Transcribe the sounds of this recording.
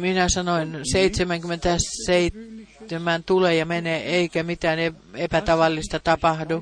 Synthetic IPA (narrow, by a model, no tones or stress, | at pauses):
minæsɑnoinseit̪semæŋkymːent̪æseit̪ːemænt̪uleːjɑmeneːeikæmit̪æːneepæt̪ɑʋɑlːist̪ɑt̪ɑpɑhdu